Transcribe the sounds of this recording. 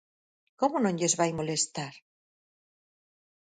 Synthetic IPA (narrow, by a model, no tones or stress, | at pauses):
komunõɲʎezβajmolest̪aɾ